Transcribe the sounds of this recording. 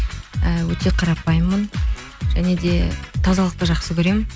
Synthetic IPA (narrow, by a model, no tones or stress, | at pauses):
əwɵt̪e̞qʰɑɾɑpɑjmːən | ʒ̥æne̞d̪e̞t̪ʰɑzɑlˠəq̚t̪əʒɑqsəkʲʰɵɾe̞mɪn